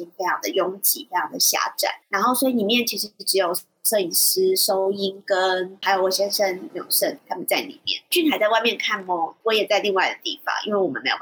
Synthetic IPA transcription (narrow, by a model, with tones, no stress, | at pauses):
i˧˥ŋfe˥ɪjɑ˥˩ŋd̪ə˨jʊ˧˥ŋt͡ɕḭ˨˩fe˥jɑ˥˩ŋd̪ə˩ɕja̰˥ʈ͡ʂa̰˥˩˦nɻa˧˥nxo˥˩ʊswɔ˧˥i˧li˨˩mjɛ˥˩nt͡ɕʰi˧˥ʂ̬ɻ̩˧˥ʈ͡ʂɻ̩˧˥jo˨˩ʊ | ʂɤ˥˧i˨˩s̩˥ʂo˥ʊi˥nkə˦˥nxa˧˥ɪjo˨˩ʊwɔ˥˨˩ɕɛ˥nʂə˧˥n˨˩m˥˨jo̰˨˩ʂə˥˩nt̪ʰa˥mə˨nt͡sa˥˩ɪlḭ˨˩mjɛ̰˥˩nt͡ɕʰy˥˩nt̪ʰa˨˥t͡sa˥˧ɪwa˥˧ɪmjɛ˥˧nkʰa˥˧nmɔ˥˨˩ŋt̪wɔ˥jɛ˨˩t͡sa˥˧ɪli˥˧ŋwa˥˩ɪd̪ə˨˩t̪ḭ˥˩fɑ̰˨˦ŋʔḭ˥nwe˥˩ɪwɔ˨˩mə̰˨˦nme˧˥jo̰˨˩